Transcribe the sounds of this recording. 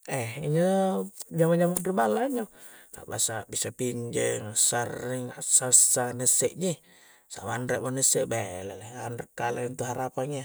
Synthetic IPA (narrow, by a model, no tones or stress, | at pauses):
ɛiɲə | d͡ʒamad͡ʒamaɾibalaɲo | ka̰ʔba̰sabisapiɲd͡ʒɛŋsariŋasasːanɛsɛʔɲi | sa̰mandɾaʔmonɛsɛʔbalɛlɛanraʔkːalaint̪uɦaɾapaŋja